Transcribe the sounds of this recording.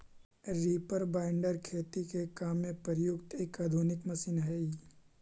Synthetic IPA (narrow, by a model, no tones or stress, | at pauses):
ɾiːpəɾbãːɪɳɖəɾkʰeːt̪ikekaːmːẽpəɾjʊkt̪eːkaːd̪ʱuːnɪkmɐsiːnɦɛi